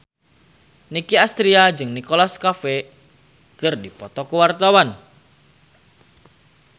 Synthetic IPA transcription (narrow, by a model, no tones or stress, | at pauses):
nikiast̪ɾiad͡ʒɨŋnikɔlaskafe | kɨrdipɔt̪ɔkuwart̪awan